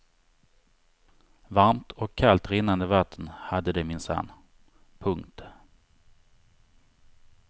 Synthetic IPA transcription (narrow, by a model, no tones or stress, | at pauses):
vaɾmt̪ʰɔkʰːalt̪ɾɪnːand̪əvat̪ʰːənhad̪ːəd̪ɛmɪnsa̰nː | pʰɵŋkt̪